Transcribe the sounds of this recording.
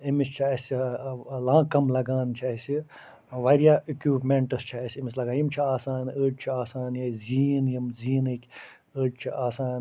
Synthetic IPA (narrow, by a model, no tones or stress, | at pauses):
imist͡ʃʰaɐsilãːkɐmlɐɡaːnt͡ʃʰasi | ʋɐɾjaːikjuːpmeɳʈɐst͡ʃʰaɐsʲimislɐɡaːjimt͡ʃʰiaːsaːnəʈ̚t͡ʃʰiaːsaːnjɐziːnjimziːnɨkʲʰ | əʈt͡ʃʰiʔaːsaːn